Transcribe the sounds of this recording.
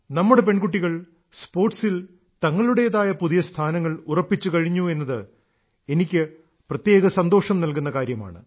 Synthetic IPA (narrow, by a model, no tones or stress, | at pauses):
nɐmːuɽe̞pe̞ɳɡuʈ̬ːiɣɐɭ | spo̞ːrʈsil | t̪ɐŋːɐɭuɽejɐðaːjɐpuðijɐst̪ʰaːnɐŋːɐɭurɐpːit͡ɕːukɐɻiɲːue̞nːɐðɨ | e̞nikʲːɨ | prɐt̪je̞ːɣɐsɐnd̪oːʂɐmnɐlkunːɐkaːɾjɐma̰ːɳɨ̰